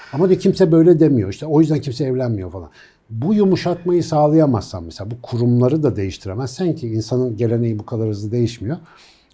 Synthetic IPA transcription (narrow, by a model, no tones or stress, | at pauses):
amad̪acʰimsɛbø̞jlʲɛd̪emijo̞iʃt̪ʰɛo̞jyzd̪æncʰims̬ɛːvlʲænmijo̞falˠa̰n | bujumuʃat̪majɯsaːlˠajamazssa̰mmeselʲaːbukʰuɾumlˠaɾɯd̪ad̪e̞jiʃt̪ʰiɾemænsæncʰiːnsanɯnɟe̞lʲe̞nejibukʰalˠaɾɯzɯd̪e̞jiʃmijo̞